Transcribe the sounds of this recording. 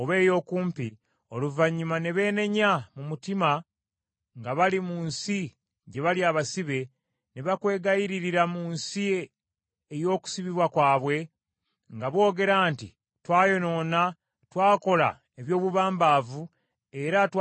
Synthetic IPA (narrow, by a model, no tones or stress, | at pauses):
oβe̞ːjo̞ːkuːmpi | o̞luvaɲːumaneβe̞ːne̞ɲamumutima | ŋɡaβalimuːnsi | ɟe̞βaliaːβasiβe̞ | neβakwe̞ːɡajiɾiɾiɾamuːnsi | ejo̞ːku̥siβiβwakwaːβwe̞ | ŋɡaβwo̞ːɡe̞ɾaːnti | twaːjo̞no̞ːna | twaːko̞la̰ | eβjo̞ːβuβaːmbavu | e̞ɾatw